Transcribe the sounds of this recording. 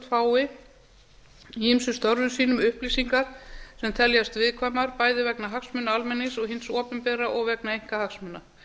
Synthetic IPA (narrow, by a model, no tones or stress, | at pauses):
t̪faːwɪ | himsʏst̪ɔɾvʏmsiːnʏmʏhpliːsiŋkasɛmt̪ʰɛljast̪vɪðkʰvaːjmaɾpaːjðɪvɛknaɦaksmʏnːaalmɛnːɪsɔɣɦɪnsɔːpʏmpɛːɾaʔɔɣvɛknaejŋ̥kahaksmʏnːa